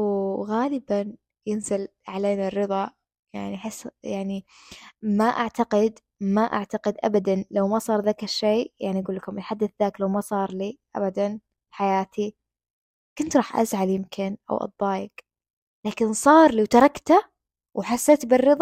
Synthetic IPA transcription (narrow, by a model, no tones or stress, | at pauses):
ɣaːlɪban | jɪnzɪl | ʕaleːnarːɨðˤɑ | jaʕniaħɪsːjaʕni | maʔaʕt̪aqɪd̪ | maʔa̰ʕt̪aqɪd̪ʔa̰bad̪anlawmasˤɑːɾˤðaːkaʃeːjaʕniʔaɡuːlːakʊmɪlħad̪ːaθðaːklawmasˤɑːɾˤliːʔa̰bad̪an | fħajaːt̪ʰi | kʊnt̪ɾˤɑːħʔa̰zʕaljɪmkʰɪnʔa̰wʔɑ̰d̪ˤːɑːjak | laːkɪnsˤɑːɾˤliːwt̪ɑɾˤɑkt̪a | wħasːeːt̪bɪrːɨðˤɑ